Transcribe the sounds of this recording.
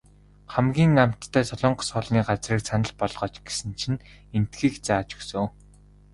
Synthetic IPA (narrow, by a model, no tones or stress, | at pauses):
χæmɡʲiːŋam̥t̪ʰːæːsɔɮɞ̆ːɴɢɞ̆sʊːɮniːɢat͡sriːksanə̆ɮpɔɮʁɔːt͡ɕɡesɘ̆nt͡ɕʰĭn | en̥t̪ɡiːkt͡saːt͡ɕɵ̥ksɵ̆w